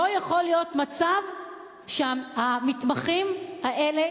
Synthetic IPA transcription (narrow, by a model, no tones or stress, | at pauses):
ojaχo̞lijo̞tmat͡sav | ʃehamit̪maχimhaʔele̞